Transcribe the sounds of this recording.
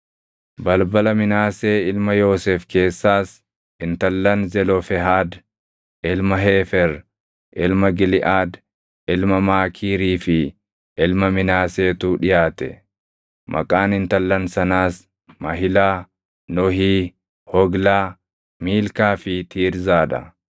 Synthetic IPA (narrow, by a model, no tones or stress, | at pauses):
bɐlbɐlɐmɪnaːse̞ːɪlmɐjo̞ːsɛːfke̞ːsːaːs | ɪnt̪ɐlːɐnzɛlɔfɛɦaːd̪ | ʔɪlmɐɦeːfɛɾ | ʔɪlmɐɡɪlɪʔaːd̪ | ɪlmɐmaːkʰiːɾiːfɪ | ʔɪlmɐmɪnaːse̞ːt̪uːᶑɪjaːt̪ɛ̰ | mʔɐ̰kʼaːnɪnt̪ɐlːɐnsɐnaːs | mɐɦɪlaː | nɔɦiː | hɔɡlaː | miːlkaːfɪt̪ʰiːɾzaːᶑ̪ɐ̰